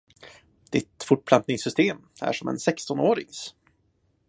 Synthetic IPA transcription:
d̪̥ɪt̪fʊʈ̚ːpʰlant̪nɪŋsʏst̪eːm | æ̰ʂɔmɛ̰nsɛkst̪ɔnoːɾɪŋs

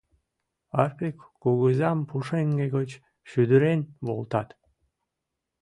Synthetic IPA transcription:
ɑrpekːuɣɯzɑmpuʃeŋɡeɡot͡ɕ | ʃyd̪yɾenβo̰lˠt̪ɑt̪

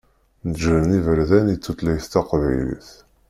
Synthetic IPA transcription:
nəd͡ʒvəmnivəɾðænit͡sːut̪læjθt̪æqvæjlḭθ

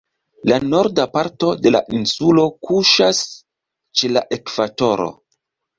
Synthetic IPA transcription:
lano̞ɾdapaɾto̞de̞la̰ʔinsulo̞kuʃas | t͡ʃe̞laʔe̞kv̥ato̞ɾo̞̰

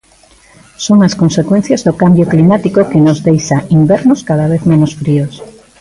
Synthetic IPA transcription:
soŋaskonsekwẽn̟θjazðokambjoklimat̪ikokɪnozðejʃaimbɛɾnoskaðaβ̞eθmẽnosfɾios

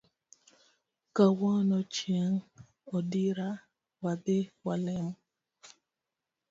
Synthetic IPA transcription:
kawɔnɔt͡ʃjɛŋ | ɔdiɾa | wadɪwalɛmɔ

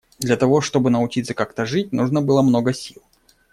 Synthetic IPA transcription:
d̪lʲɐt̪ɐvo̞ʂt̪o̞bɨnəʊt͡ɕit̪səkakt̪əʐɨt̚ʲnuʐnəbɨlˠəmno̞ɡəsʲilˠ

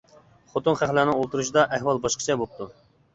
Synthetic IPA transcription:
χot̪unχæχlænɪŋolˠt̪uɾuʃ̬ɨd̪ɑʔæhwɑlˠbɑʃqʰə̥t͡ʃʰɛbop̚t̪ʰu

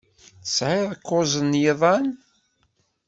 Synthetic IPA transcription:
θə̥sʕɪðˤəkːozˤənjɪðˤɑn

